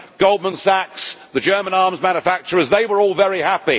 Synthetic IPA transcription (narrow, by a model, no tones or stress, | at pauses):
ɡ̥oʊlˠd̚mə̃nsæksðɨd͡ʒɜ˞mə̃nɑɹmzmæ̃njəfæk̚t͡ʃə˞əzðeɪwə˞ɔːlˠvɛɹihæpi